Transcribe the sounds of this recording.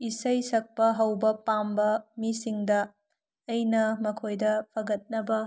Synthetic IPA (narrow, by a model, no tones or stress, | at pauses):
isɐjsɐk̚pɐɦɐwbɐpambɐmisiŋdɐː | jnɐmɐkʰojdɐpʰɐɡɐt̚nɐbɐ